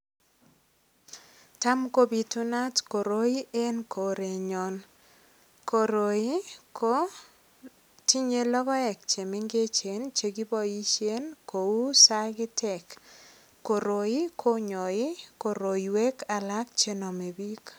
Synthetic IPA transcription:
ta˦mko˦bi˨tu˦na˦tko˨ɾo˦i˦e˦nkʰo˨ɾe˨ɲo˨n | ko˨ɾo˨i˦ko˦ | ti˦ɲe˦lɔ˦kɔ˦ɛ˨k̚t͡ʃe˨mɪ˦ŋɡe˦t͡ʃe˨nt͡ʃe˨ɡi˦bɔ˦i˦t͡ʃje˦nko˨u˦sa˦ɡɪ˦tʰɛ˨kː | o˨ɾo˨i˦kʰo˦ɲɔ˨ɪ˦ko˨ɾo˨i˨we˦kʰa˨la˦k̚t͡ʃe˦nɔ˨me˨bi˦k

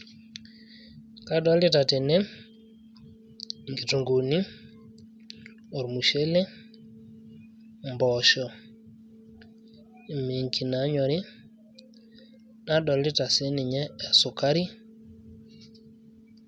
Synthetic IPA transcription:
ka˦ɗɔ˦li˦ta˨tɛ˨ne˦ | ŋɡi˨tu˨ŋɡo˨ni˦ | ɔ˨ɾmu˨ʃe˦le˦ | mbɔʃɔ˨ | me˨ŋki˨na˨˦ɲɔ˨ɾi˦ | na˦ɗɔ˨li˦ta˨se˦ni˨ɲɛː˦˨sʊ˨ka˦ɾi˦

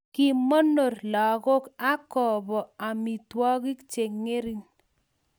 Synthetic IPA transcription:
ki˨mɔ˦no˨rla˨ko˦ka˦kɔ˨bɔ˨a˨mi˨twɔ˦ki˦kt͡ʃe˨ŋe˦ɾi˦n

